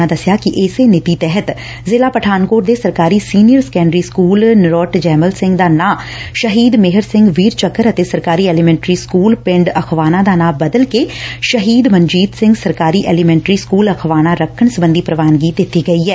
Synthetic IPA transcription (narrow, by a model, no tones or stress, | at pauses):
ãd̪əsɪjaːkɪʔɪːseːnɪt̪iːt̪ɛɦət̪ | zeːlaːpəʈʰaːnkoːɾd̪eːsəɾkaːɾiːsiːnijəɾskɛːɳɖɾiːskuːlnɪɾɔːʈd͡ʒɛːməlsɪ̃ŋɡd̪aːnãːʃəɦiːd̪mɪɦəɾsɪ̃ŋɡʋiːɾt͡ʃəkːəɾət̪eːsəɾkaːɾiːɛːlimɛ̃ːɳʈɾiːskuːlpɪ̃ɳɖəkʰʋaːnãːd̪aːnãːbəd̪əlkeʃəɦiːd̪mənd͡ʒiːt̪sɪ̃ŋɡsəɾkaːɾiːʔɛːlimɛ̃ːɳʈɾiːskuːləkʰʋaːnãːɾəkʰːəɳsəbə̃nd̪iːpɾəʋaːnɡiːd̪ɪt̪ːiːɡəiːɦɛː